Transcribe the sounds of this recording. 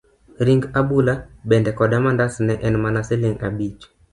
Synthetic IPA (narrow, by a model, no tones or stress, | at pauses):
ɾiŋɡabulabɛndɛkɔdamandasnɛʔɛnmanasɪleŋɡabit͡ʃ